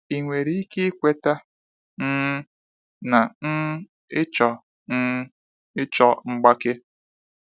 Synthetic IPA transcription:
i˨ŋʷe˨ɾi˦i˦ke˦kʷe˦ta˦ | n̩˦ | na˨n̩˦ | ɪ˦t͡ʃɔ˨ | n̩˦ | ɪ˦t͡ʃɔ˦ŋ͡m̩˦ɡ͡ba˦ke˦

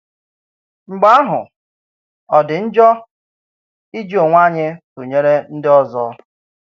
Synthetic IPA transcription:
ŋ͡m̩˨ɡ͡ba˦a˦ɦʊ̰˨ | ɔ˨dɪ˨n̩˦d͡ʒɔ˦ | i˦d͡ʒo˨ŋʷa˦˨ɲɪ˦tʊ˨ɲe˦ɾe˦n̩˦dɪ˦ɔ˦zɔ̰˦

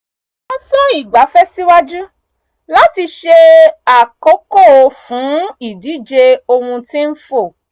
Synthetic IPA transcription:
ɔ˧sɔ̃˦i˦˨ɡ͡ba˨˦fɛ˦si˦wa˦d͡ʒu˦ | la˦ti˧ʃe˧a˨ko˦ko˦˨o˧fũ˨˦i˦˨di˨˦d͡ʒe˧o˧hũ˧tĩ˦n̩˦fo˦˨

